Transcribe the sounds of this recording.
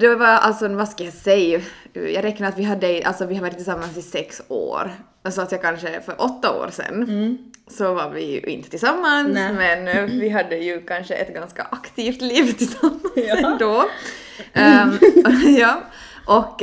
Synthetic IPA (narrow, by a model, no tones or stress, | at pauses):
d̪̥ɛvaa̰lt̪sɔvaskajɑsɛjːjɑ̰ɡɾɛkːnaɾat̪vɪɦad̪ːəɛʔa̰lt̪sɔvɪhaɾæːɾɪt̪ʰːɪlsamːansɪsɛkso̰ːɾ | alsɔat̪jaːkʰanʂəfœɾʔɔt̪ːao̰ːɾsɛ̰nːsɔvaɾvɪ̰jʉ̰ʔɪ̰nt̪ət̪ɪlsamːansmɛnvɪɦad̪ːəjɵkʰanʂəʔɛ̰t̪ɡanska̰ʔakt̪ʰiːft̪liːvt̪ʰɪlsamːaɛnd̪ɔ | jɑː | ʔɔk